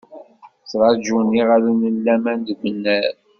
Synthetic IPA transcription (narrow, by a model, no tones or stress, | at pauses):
sɾˤɑd͡ʒunːiʁaɾnəlːæmænd̪əɡʷənːæɾ